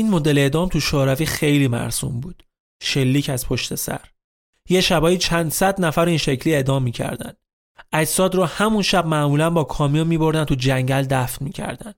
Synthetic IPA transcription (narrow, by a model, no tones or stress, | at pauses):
ʔiːnmod̪ele̞ːd̪ɒːmt̪ʰuʃoːɾæviːxe̞jliːmæ̰ɾsṵmbuːd̪̥ | ʃe̞lːiːcʰæz̥pʰo̞ʃt̪e̞sæ̰ɾ | je̞ʃæbɒːjit͡ʃʰænd̪sæd̪næfæɾiːnʃe̞cʰliːe̞d̪ɒːmːiːcʰæ̰ɾd̪æ̰n | ʔæd͡ʒsɒːd̪ɾɔhæmunʃæb̚mæʔmuːlænbɒːkʰɒːmijunmiːbo̞ɾd̪ænt̪ʰud͡ʒæɲɟæld̪æfnmiːcʰæ̰ɾd̪æ̰nd̪̥